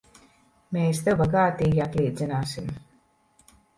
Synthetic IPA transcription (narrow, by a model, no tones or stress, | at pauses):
meːst̪ewbaɡaːt̪iːɡiat̪liːd̪zinaːsim